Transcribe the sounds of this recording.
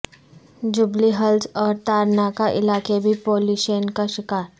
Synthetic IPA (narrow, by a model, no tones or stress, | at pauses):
d͡ʒʊbliɦɐlsɔːɾt̪aːɾnaːkaʔɪ̰laːkebʱipoːluːʃenkaʃɪkaːɾ